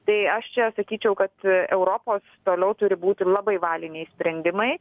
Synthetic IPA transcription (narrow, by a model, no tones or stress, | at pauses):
t̪ɐɪɐʃt͡ʃʲɛsɐkʲiːt͡ʃʲɛʊkɐt̪ɛʊɾoːpoːst̪oːlʲɛʊt̪ʊɾʲɪbuːt̪ʲɪlˠɑːbɐɪʋɑːlʲɪnʲɛɪsʲpʲɾʲɛnʲd̪ʲɪmɐɪ